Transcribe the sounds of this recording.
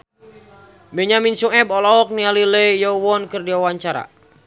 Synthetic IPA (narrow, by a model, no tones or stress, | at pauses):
bɛɲaminsuɛbɔlɔːk̚nialilɛjɔwɔnkɨrdiawaɲt͡ʃaɾa̰